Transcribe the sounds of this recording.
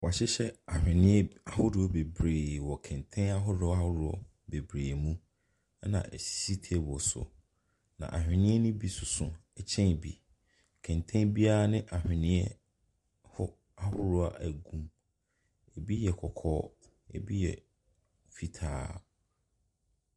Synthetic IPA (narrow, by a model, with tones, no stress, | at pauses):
wɔ˨a˨ɕɪ˦ɕɛ˦a˨hᶣɪ̃˨nɪ̃˦ɛ˦a˨hʊ˦dʊ˨ɔ˦be˨bɾeː˨wɔ˨kʰɛ̃˨ntʰɛ̃˦na˦ɦʊ˦dʊ˨˦a˦hʊ˦ɾʊ˨ɔ̰˦˨ | be˨bɾeː˨mũ˦ | ɛ˦nã̰˨ʔɛ˨si˦tʰe˦˨bɔ˨sʊ̰˨ | nã̰˨ʔa˨hᶣɪ̃˨nɪ̃˦ɛ˦nʊ̃˦bi˦sʊ˨sʊ̃˨ɛ˨t͡ɕʰɛ̃˦n˨bi˨ | kʰɛ̃˨ntʰɛ̃˦bi˦a˦a˦nɪ̃˦ʔa˨hᶣɪ̃˨nɪ̃˦ɛ˦ | hʊ˦ | a˦hʊ˦ɾʊ˦a˦˨ʔæ˨ɡũ˦m | ɛ˨bi˦jɛ˨kʰɔ˨kʰɔː˦ | ḛ˨bi˦jɛ̰˨ | fi˦tʰa̰ː˨˦